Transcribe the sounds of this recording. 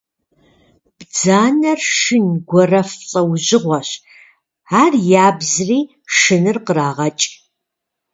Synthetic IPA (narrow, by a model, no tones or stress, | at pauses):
b̥d͡zaːnɐrʂʃɨnɡʷɔrɐfɬʼɐwʑɪʁʷɔɕ | aːrjaːbzriː | ʂɨnɨrqəraːʁɐt͡ʃʼ